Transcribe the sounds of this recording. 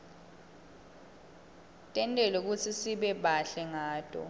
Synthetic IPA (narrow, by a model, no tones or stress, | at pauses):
tʼɛntʼɛluk̬ut͡sʰisiɓɛɓaɬɛŋaːtʼɔ̰